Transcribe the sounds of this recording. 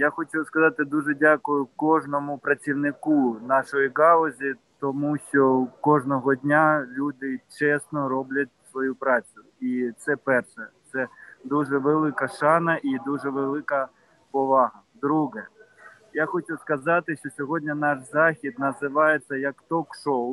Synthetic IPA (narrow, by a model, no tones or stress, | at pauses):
jaxɔtʲiwskɐzɑt̪ɪd̪uʒɛdʲakʊjʊkɔʐnɔmʊpɾɐt͡sʲiwnɪkunɑʃɔjiɡɑlˠɔzʲit̪ɔmuʃt͡ʃɔkɔʒnɔɦɔdʲnʲalʲud̪ɪt͡ʃɛsnɔɾɔblʲɐt̚ʲsʋɔjupɾɑt͡sʲʊ | it̪sɛpɛrʃɛt̪sɛd̪uʒɛʋelˠɪkɐʃɑnɐʔid̪uʒɛʋelˠɪkɐ | pɔʋɑɦɐd̪ɾuɦɛ | jaxɔt͡ʃʲuskɐzɑt̪ɪʃt͡ʃɔsʲɔɦɔdʲnʲɐnɑʃzɑxʲid̪nɐzɪʋɑjet͡sʲːɐjɐkt̪ɔkʃɔw